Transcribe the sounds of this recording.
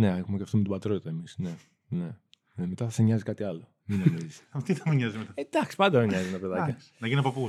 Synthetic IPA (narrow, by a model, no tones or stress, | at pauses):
ne̞exumeceɐft̪omet̪ubɐt̪ɾot̪ɐemisne̞ | ne̞ | neme̞t̪ɐθɐseɲɐzikɐt̪iɐlo̞ | minomizise̥ɐt̪iθɐmiɲɐzimet̪ɐed̪̥ɐksi̥pɐnd̪ɐeɲɐzienɐpeðɐcɐs | nɐʝinpɐpu